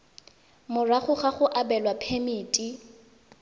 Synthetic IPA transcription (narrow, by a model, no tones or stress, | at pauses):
mʊraχʊχaχʊʔabɛlwapʰemiːtʼi